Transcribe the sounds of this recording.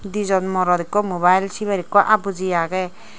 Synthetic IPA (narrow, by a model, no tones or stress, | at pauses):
d̪izɔnmɔɾɔdikɔmoβajlsiβaɾikɔʔabud͡ʒijaɡɛ